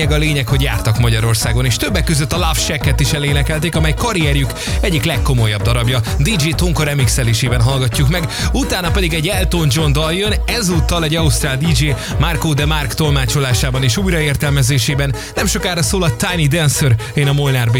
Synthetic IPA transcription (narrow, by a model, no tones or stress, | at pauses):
ɛɡɒleːɲɛkho̞ɟja̰ːrt̪ɒkmɒɟɒɾo̞rsaːɡo̞neːʃt̪øbːɛkːøzøt̪ːɒlafʃɛkːɛt̪iʃɛleːnɛkɛlt̪eːkɒmɛjkɒɾiɛrjuk | ɛɟːiklɛkːo̞mo̞jɒb̚d̪ɒɾɒbjɒd̪id͡ʒeːt̪oŋkoɾɛmiksɛleːʃeːbɛnɦɒlɡɒcːukmɛɡut̪aːnɒpɛd̪iɡɛɟːɛlt̪oːnd͡ʒo̞nd̪ɒjønɛzuːt̪ːɒlɛɟɒust̪raːld̪id͡ʒeː | markoːd̪ɛmarkt̪o̞lmaːt͡ʃo̞laːʃaːbɒneːʃuːjɾɒeːrt̪ɛlmɛzeːʃeːbɛnːɛmʃo̞kaːɾɒsoːlɒt̪ːajnid̪ɛnsøɾ | eːnɒmolnarbe